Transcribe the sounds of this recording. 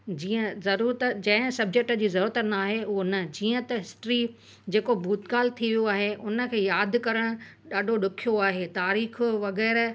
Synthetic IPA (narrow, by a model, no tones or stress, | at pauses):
d͡ʑiːə̃zɐɾuːɾət̪d͡ʑɐ̃ɦɪ̃sɐb̚d͡ʑek̚ʈə̆d͡ʑiːzɐɾuːɾət̪naːɦeonə̆d͡ʑiːə̃t̪ɐɦɪsʈɾi | d͡ʑeːkobʱuːt̪ɡaːlt̪ʰiʋijoaːɦeʔʊnə̆kʰeːjaːd̪kɐɾəɽ̃ʊ | ɗaːɖʱoɗʊkʰijoaːɦet̪aːɾiːxʋɐɣɛːɾ